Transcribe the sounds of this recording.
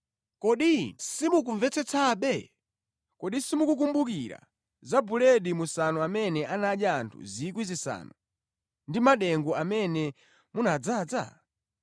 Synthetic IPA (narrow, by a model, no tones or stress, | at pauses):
kɔɗisimuk̬uɱvɛt͡sɛt͡sʰaɓɛ | kɔɗisimukuk̬umbuk̬iɾa̰ | zabulɛɗimusanuamɛnɛʔanaɗaːntʰṵzikwizisa̰ːnu | ndimaɗɛŋɡuamɛnɛ | munad͡zaːd͡za̰